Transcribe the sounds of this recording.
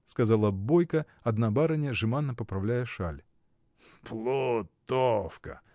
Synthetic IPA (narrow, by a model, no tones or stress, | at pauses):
skɐzalˠəbojkə | ɐd̪nabaɾɐnʲəʐɨmanːəpəpɾɐvlʲæjəʂalʲ | plˠʊt̪ofkə̰